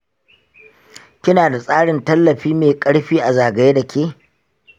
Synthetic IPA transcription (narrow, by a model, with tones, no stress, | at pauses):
kʲɪ˦naː˨da˨sʼaː˦ɽɪ˨ntɐ˦lːɐ˨ɸiː˦meː˨kʼɐ˦ɽɸiː˦ʔa˨zaː˨ɡɐ˨je˦da˨kʲʰeː˦